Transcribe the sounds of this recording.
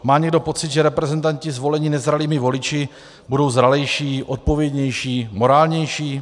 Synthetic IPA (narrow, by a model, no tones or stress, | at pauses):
maːɲɛɡdo̞po̞t͡sɪd̪ʒɛɾɛpɾɛzɛnt̪aɲcɪzvo̞lɛɲɪnɛzɾaliːmɪvo̞lɪt͡ʃɪ | budo̞wzɾalɛjʃiːʔot̪̚po̞vjɛd̪ɲɛjʃiːmo̞ɾaːlɲɛjʃiː